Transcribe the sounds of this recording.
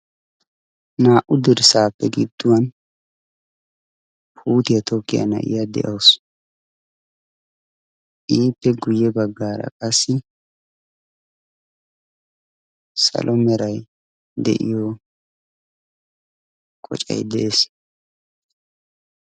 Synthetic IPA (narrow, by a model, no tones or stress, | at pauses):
naːʔʊd̪ɪɾsaːpːɛɡɪd̪ːʊwɐn | pʰuːt̪ɪjɐt̪ʰɔkːɪjɐ̰nɐ̰ʔɪ̰jad̪ɛ̰ʔɐws | ʔiːpːɛɡʊjːɛbɐɡːaːɾɐ̰kʼɐsːɪ | sɐ̰lʔɔmɛɾɐj | d̪ɛ̰ʔɪjɔ | kʼɔ̰t͡ʃʼɐ̰jd̪ɛʔeːs